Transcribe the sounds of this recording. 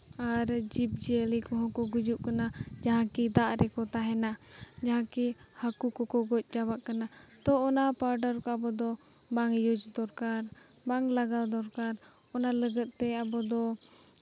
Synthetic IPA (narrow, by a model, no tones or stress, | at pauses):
aɾd͡ʒip̚d͡ʒelikɔɦɔ̃kɔɡud͡ʒuʔkanad͡ʒaɦãkid̪aʔɾɛkɔt̪aɦɛna | d͡ʒaɦãki | hakukɔkɔɡɔc̚ˀd͡ʒabaʔkana | t̪ɔɔnapaɾɖəɾkɔabɔd̪ɔ | baŋjod͡ʒd̪ɔɾkaɾ | baŋlaɡawd̪ɔɾkaɾ | ɔnaləɡət̪̚t̪ɛabɔd̪ɔ